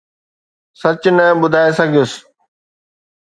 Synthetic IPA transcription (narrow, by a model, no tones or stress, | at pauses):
sɐt͡ɕnɐɓʊd̪ʱaːesɐɡʱijʊs